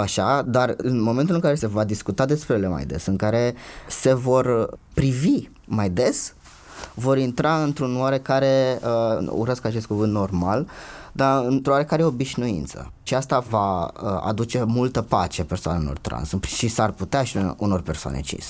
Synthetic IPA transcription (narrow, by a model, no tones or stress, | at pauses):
aʃad̪arɨnmoment̪ulɨŋkaɾe̞se̞vad̪iskut̪ad̪e̞spɾejele̞ma̰jd̪esɨŋkaɾe̞se̞vo̞r | pɾivi | majd̪e̞s | vo̞ɾint̪ɾaɨnt̪ɾunoaɾe̞kaɾe̞əṵɾəskat͡ʃest̪̚kuvɨnt̪no̞rmald̪aɨnt̪ɾowaɾe̞kaɾeeobiʃnuḭnt̪sə̰ʃiast̪avaəa̰d̪ut͡ʃe̞mult̪əpa̰t͡ʃepe̞rsoa̰nelo̰rt̪ɾa̰nsɨpʃisarput̪eaʃiuno̞rpe̞rsoa̰nʔḛt͡ʃḭs